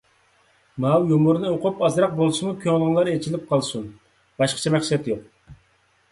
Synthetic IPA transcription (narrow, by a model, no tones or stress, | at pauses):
mɑwjomuɾnɨoqʰʊpɑzɾɑq̚bolˠʃɨmukʲʰøŋlˠʁənlˠɑɾet͡ʃʰilɪp̚qʰɑlˠsun | b̥ɑʃqə̥t͡ʃʰɛmɛχsɛt̪joq̚